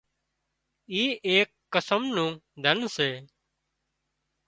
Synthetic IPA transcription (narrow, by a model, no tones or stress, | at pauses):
iːʔeːkːəsəmnũːd̪ʱənseː